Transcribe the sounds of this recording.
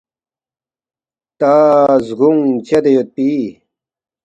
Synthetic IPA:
t̪azɡuŋt͡ɕed̪ejot̪̚pi

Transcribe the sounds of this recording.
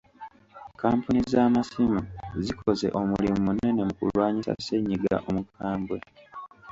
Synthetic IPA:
kaːmpunizaːmasimuzikʰo̞ze̞̰ʔo̞mulimumune̞ne̞mukṵlwaːɲisa̰se̞ɲːiɡa̰ʔo̞mukʰaːmbwe̞

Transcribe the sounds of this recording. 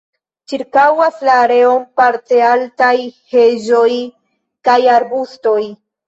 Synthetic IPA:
t͡ʃiɾkawaslaːɾe̞o̞mpaɾte̞altajheʒo̞j | kajaɾbusto̞j

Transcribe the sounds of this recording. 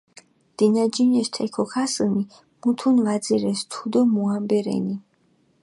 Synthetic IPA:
d̪̥inad͡ʒinɛst̪ʰɛkʰɔkʰasəni | mut̪ʰunvazɛɾɛst̪ʰud̪ɔmuambɛɾɛ̰ni

